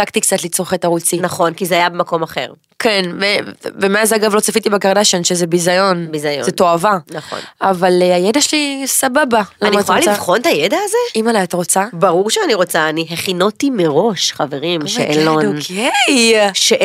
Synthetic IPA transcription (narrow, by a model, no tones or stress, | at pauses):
akt̪ikt͡sat̪lit͡sʁoχetaʁut͡sinaχo̞nkizeajabemako̞maχe̞̰ʁ | kʰenmevemeazaɡavlo̞t͡safit̪ibeɡaʁd̪aʃanʃezebizajo̞nbizajozet̪o̞avanaχo̰nʔavalajedaʃelisababalamniχolalivχo̞nt̪ajedaːzeimalaat̪aʁo̞t͡sabaʁuʁʃeaniʁo̞t͡saːniɦeχinotimeʁo̞ʃχaveʁimʃḛʔelodne | ʃe